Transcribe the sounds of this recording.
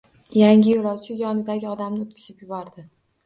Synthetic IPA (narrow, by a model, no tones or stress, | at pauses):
jaŋʲɪjolˠɒwt͡ʃʰɪjɒnɪd̪aɡʲɪɒd̪amnɪot̪̚kʰʲɪ̥ʃɪpjʊbɒɾd̪ɪ